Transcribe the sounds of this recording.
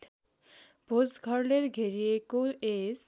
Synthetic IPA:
bʱod͡zɡʱəɾleɾɡʱeɾiekoes

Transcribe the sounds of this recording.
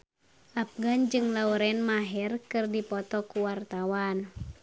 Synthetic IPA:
ʔap̚ɡand͡ʒɨŋlauɾɛnmaɦɛrkɨrdipɔt̪ɔkuwart̪awan

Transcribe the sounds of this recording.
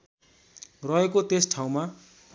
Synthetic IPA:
rʌɦekot̪esʈʰaw̃ma

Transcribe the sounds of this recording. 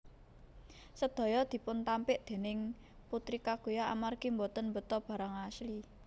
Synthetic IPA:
səd̪̥ɔ̤jɔd̪̥i̤pʊnt̪ampɪʔd̪̥e̤nɪŋ | put̪ɾikaɡ̥ojaʔa̰marɡ̥imbot̪ənmbət̪ɔb̥ä̤ɾaŋasli

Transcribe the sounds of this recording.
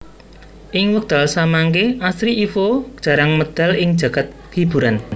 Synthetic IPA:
ʔɪŋwək̚d̪̥a̤lsamaŋkeasɾiifo̥ʒ̥a̤ɾaŋməd̪̥a̤lɪŋd̥ʒ̥ä̤ɡ̥at̪̚ | kib̥ṳɾan

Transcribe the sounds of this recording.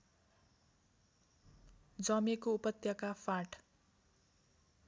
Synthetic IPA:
d͡zʌmekoupʌt̪jʌkafʰaʈ

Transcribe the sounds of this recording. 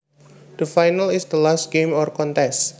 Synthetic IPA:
d̪̥əfajnalɪsd̪əlast̚ɡ̥emɔrkɔnt̪ɛs

